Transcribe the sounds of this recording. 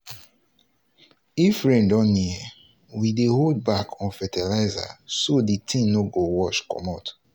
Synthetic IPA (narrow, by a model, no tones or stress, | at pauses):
ifɹɛ̃ndɔ̃nːiɛ | wideɦold̚bakʰɔ̃nfɛtɛlaɪza̰soditʰĩnoɡowɔt͡ʃkɔ̰mat